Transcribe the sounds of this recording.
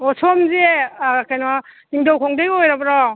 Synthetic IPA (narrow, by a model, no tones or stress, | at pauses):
ɔsʰɔmzekakʰajnaniŋdɔwkʰɔŋdeɡɔjɾabɾɔ